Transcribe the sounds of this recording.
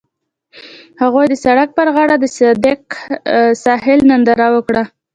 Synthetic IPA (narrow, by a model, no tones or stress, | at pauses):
haɣojd̪əsaɽak̚pəɾɣɑɽad̪əsɪd̪ɪk | sɑɦɪlnand̪aɾawəkɽa